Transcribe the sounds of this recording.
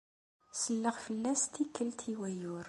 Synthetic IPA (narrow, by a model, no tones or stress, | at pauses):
səlːəʁfəlːæst̪ikːəlt̪ʰiwæjʊɾ